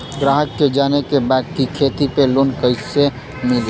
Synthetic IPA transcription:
ɡɾaːɦəkːed͡ʒaːnekebaːd̪̚kikʰeːt̪ipelʊnkəɪse | mɪl

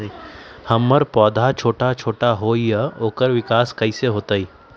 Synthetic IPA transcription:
hɐmːəɾpɔːd̪ʱat͡ʃʰoːʈat͡ʃʰoːʈaɦoːijəoːkəɾʋɪkaːskɐiseɦoːt̪aiː

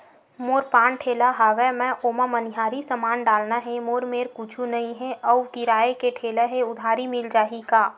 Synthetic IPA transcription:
moːɾpãːnʈʰeːlaɦaʋɛmɛ̃ʔoːmamənɪɦaːɾisəmaːnɖaːlnaɦɛ̃moːɾmeːɾkut͡ʃʰunɐɦĩɦɛʔəwkɪɾaːekeʈʰeːleɦeʊd̪ʱaːɾimɪld͡ʒaːɦikaː

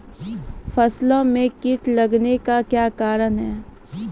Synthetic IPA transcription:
fɐslõmẽkɪʈlɐɡnekakjaːkaːɾənɦɛː

